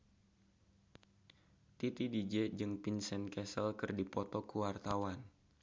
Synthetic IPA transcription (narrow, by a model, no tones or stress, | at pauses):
t̪it̪idid͡ʒɛd͡ʒɨŋpinsɛnkɛsəlkɨrdipɔt̪ɔkəwart̪awan